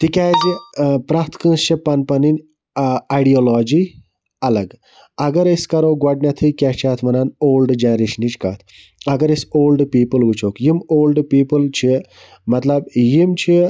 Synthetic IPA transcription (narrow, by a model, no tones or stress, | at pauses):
t̪ikʲaːzipɾat̪ʰkɐ̃nst͡ʃipɐnpɐninʲ | aɖiolɔːd͡ʒiː | ɐlɐɡ | ɐɡɐɾesʲkɐɾoːɡɐɖnʲat̪ʰikʲat͡ʃʰaːt̪ʰmɐnanoːlɖd͡ʒaːɾiʃnit͡ʃka̰ːt̪ʰ | ɐɡɐɾɐsʲoːlɖpiːpəlʋut͡ʃʰoːkjimoːlɖpiːpəlt͡ʃʰi | mɐt̪lɐbjimt͡ʃʰi